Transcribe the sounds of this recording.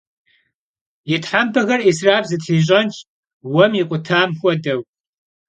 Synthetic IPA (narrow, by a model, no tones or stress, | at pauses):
jɪtʰħambɐɣɐrisraːbzɨtħiːʑ̬ʼɐnt͡ʃʼ | wɐmjɪqʷʼʊtʰaːmxʷɔdɐw